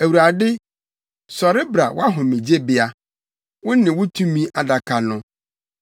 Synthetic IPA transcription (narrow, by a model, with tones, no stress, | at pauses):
æ˨wu˨ɾa˨dɪ˦ | sɔ˨ɾɪ˦bɾa˨wa˦ɦʊ̃˨mĩ˨d͡ʑe˦bɪ˦a˦ | wʊ̃˦nɪ̃˨wʊ˦tʰũ˦mĩ˦ʔa˨da˨kʰa˨nʊ̃˦